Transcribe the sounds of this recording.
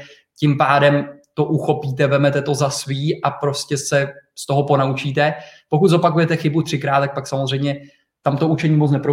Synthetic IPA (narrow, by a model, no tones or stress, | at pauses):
cɪmpaːdɛmt̪o̞ʔuxo̞piːt̪ɛvɛmɛt̪ɛt̪o̞zasviːʔapɾo̞scɛsɛst̪o̞ɦopo̞naut͡ʃiːt̪ɛpo̞kut̪zo̞pakujɛt̪ɛxɪbut̪r̝̥ɪkɾaːt̪ak̚paksamozr̝ɛjmɲɛ | t̪amt̪o̞ut͡ʃɛɲiːmot͡snɛpɾo